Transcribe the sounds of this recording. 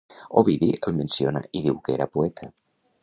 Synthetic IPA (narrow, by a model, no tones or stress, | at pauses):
oβiðiʔəlˠmənsiona̰ʔiðiwkeɾapuɛt̪ʰə